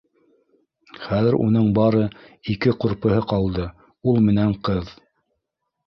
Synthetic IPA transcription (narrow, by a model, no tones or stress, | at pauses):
χæðɘɾṵnɤɴbɑɾɤikɘquɾpɤ̆ɦɤqɑlˠd̪ɤ | ulˠmɘ̆næɴqɤð